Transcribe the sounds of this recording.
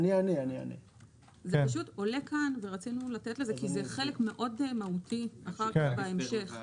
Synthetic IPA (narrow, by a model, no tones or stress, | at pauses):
nianiania̰nḭ | zeaʃuto̞le̞kʰanve̞ʁat͡sinulate̞tleze̞kizeχe̞lekme̞ʔo̞dmautiaχaʁkabaemʃe̞χ